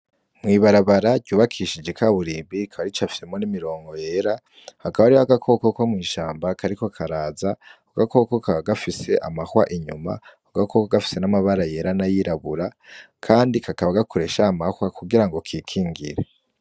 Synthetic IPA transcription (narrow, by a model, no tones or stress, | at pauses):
mŋiːβaɾaβaɾaɟɟuːβakʰiʃid͡ʒe̞kʰaβuɾiːmbikʰaβaɾit͡ʃafi̥semo̞nimiɾo̞ːŋɡo̞jeɾa | hakaβaɾiβaɡakʰo̞koko̞mŋiːʃaːmbakaɾiko̞kʰaɾaːzauɡako̞ko̞kaɡafise̞ʔa̰mahwa̰ʔiɲuma̰oɡakʰokoɡafi̥se̞namaβaɾaje̞ɾanajiɾaβuɾa | kʰaːndikakaβaɡakʰoɾe̞ʃaːmahwakuɡiɾaŋɡo̞kʰiːkʰiːŋɡḭɾe̞